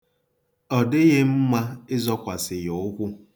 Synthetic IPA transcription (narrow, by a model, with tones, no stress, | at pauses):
ɔ˨dɪ˦ɣe˦m̩˦ma˦ɪ˦zɔ˦kʷa˨sɪ˨ɣo˨ʊ˦kʷʊ˦